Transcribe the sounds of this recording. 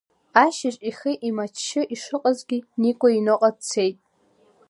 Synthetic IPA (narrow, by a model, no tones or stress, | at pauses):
aʃɪʂʼiχiʔimat͡ʃʰːɪʔiʂɨqʼazɡʲinikʷʼainoqʼadt͡sʰejtʼ